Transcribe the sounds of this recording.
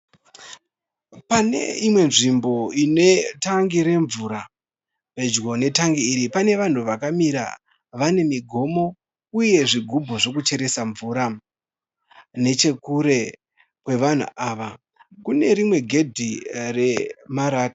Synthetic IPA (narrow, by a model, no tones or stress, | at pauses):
pane̞̰imwe̞nʐimbo̞ine̞taŋɡiɾe̞ɱvuɾa | pe̞d͡ʒɡo̞ne̞taŋɡiːɾipane̞ʋan̤uʋakamiɾa̰ | ʋane̞miɡʱo̞mo̞ | uje̞ʐiɡʱubʱo̞ʐo̞kut͡ʃe̞ɾe̞saɱvuɾa | ne̞t͡ʃe̞kuɾe̞ | kwe̞ʋan̤ṵʔaːʋa | kune̞ɾimwe̞ɡʱe̞dʱire̞maɾaːtḁ